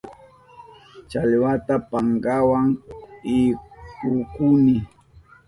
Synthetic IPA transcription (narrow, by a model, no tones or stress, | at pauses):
t͡ʃalɪwat̪apaŋɡawaŋɪkʊkʊnɪ